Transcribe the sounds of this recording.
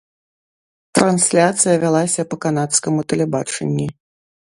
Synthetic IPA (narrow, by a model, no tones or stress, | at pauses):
t̪ɾansʲlʲat̪sɨjɐvʲalˠasʲɐpɐkanat̪skɐmut̪ɐlʲɛbat͡ʂɛ̰nʲːi